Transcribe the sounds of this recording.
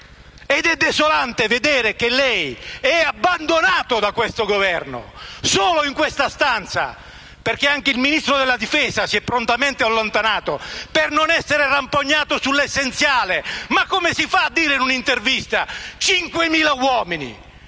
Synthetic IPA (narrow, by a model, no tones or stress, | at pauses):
ɛd̪ɛd̪ːɛsolant̪eved̪eːɾek̟elːɛjɛabːand̪onaːt̪ʊd̪akwest̪oɡovɛrnʊ̰soːloiŋkwest̪ast̪ant̪sa̰ | perkeaŋk̟eilminist̪ɾod̪ɛlːad̪ifɛːzasiɛpːɾont̪amɛnt̪ɪalːont̪anaːt̪opernonɛsːeɾerampoɲːaːt̪ʊsulːesːent̪sjaːlemakːomesifaːd̪ːiːɾeinunint̪ervist̪at͡ʃiŋkwemiːlawɔːminḭ